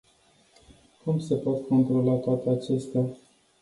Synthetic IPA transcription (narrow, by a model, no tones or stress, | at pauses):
kumbse̞po̞t̪ko̞nt̪ɾo̞lat̪oat̪eat͡ʃe̞st̪ea